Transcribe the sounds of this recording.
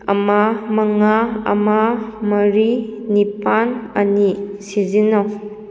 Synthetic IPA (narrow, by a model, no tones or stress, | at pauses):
ɐ̰mamɐŋaɐ̰mamɐɾinipanɐnisizinaw